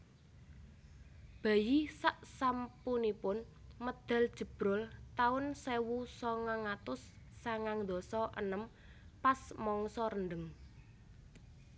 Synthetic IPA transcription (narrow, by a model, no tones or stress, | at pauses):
b̥ä̤jisaʔsampunipʊn | məd̪̥a̤ld̥ʒ̥ə̤b̥ɾɔlt̪aʊnsewusɔŋaŋat̪ʊsː | aŋaŋd̪ɔ̤sɔʔə̰nəm | pasmɔŋsɔɾənɖ̪əŋ